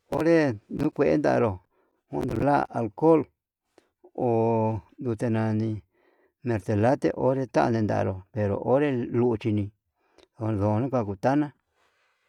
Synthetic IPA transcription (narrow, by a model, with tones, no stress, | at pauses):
o˦ɾe˦nũ˦kʷe˧ʔḛ˦nd̪a̰˧ʔɾo˨ | hṵ̃˧nd̪u˧la˦a˨lko˦˨l | o˨d̪u˧t̪e˧nã˧nĩ˧ | mẽ˧ɾt̪e˨la˦t̪e˦ʔo˦ɾe˧t̪a˦ʔa̰˧nẽ˧nd̪a̰˨˧ɾo˨pe˧ɾo̰˨ʔo˦ɾe˦lu˧t͡ʃi˧nĩ˧ | o˧ðo˨˧nũ˦kʷa˧ku˧t̪a˦nã˦